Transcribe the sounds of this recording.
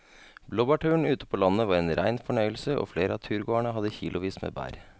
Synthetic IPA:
bloːbɑʈʰʉːəɳ̩ʉːt̪ə̥pʰoːlɑnəʋɑːɾeːnɾæɪnfɔɳœʏəlsəʔo̰ːfleːɾəɑːt̪ʰʉːɾɡoːæɳəɦɑd̪əçiːlʔʊʋiːsmḛːbæ̰ːɾ

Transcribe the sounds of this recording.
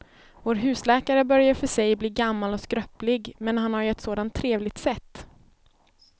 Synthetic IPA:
voːɾɦʉ̟ːslɛːkaɾəbœɾjaɾfœʂɛjbliːɡamːalɔskɾœplɪɡmɛnɦanhaɾjɵɛt̪soːd̪ant̪ʰːɾeːvlɪɡ̚t̪sɛt̪ː

